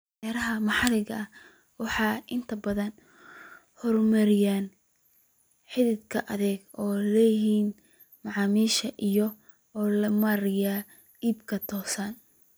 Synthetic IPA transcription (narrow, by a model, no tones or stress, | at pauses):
ɛɾɐɦɐmɑħɑlɪɣɐʔɐ | wɑħɑːʔɪnt̪ʰɐbɐðɐn | hɔrmɐɾɪjaːn | ħɪðɪd̪kʰɐʔɐðɛːɡɔːlɛːjɪɦiːn | mɑʕɑːmiːʃɐʔijɔ | ɔːlɐmɐɾɪjaː | iːbkʰɐt̪ʰɔːsɐn